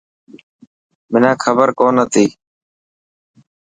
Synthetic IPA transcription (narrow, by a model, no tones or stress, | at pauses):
mɪnãːkʰəbəɾkoːnət̪ʰiː